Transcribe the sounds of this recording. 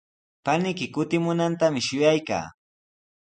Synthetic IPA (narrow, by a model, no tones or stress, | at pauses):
panɪkɪkʊt̪ɪmʊnant̪amɪʃʊjajka̰ː